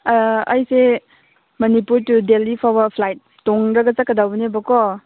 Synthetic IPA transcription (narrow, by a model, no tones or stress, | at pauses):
ɐjse | mɐnipuɾtudelipʰabapʰlajt̚ːoŋɾɐɡat͡ʃakadawbnebɐkɔ